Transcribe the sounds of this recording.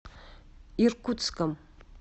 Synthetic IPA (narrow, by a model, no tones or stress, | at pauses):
irkut͡skəm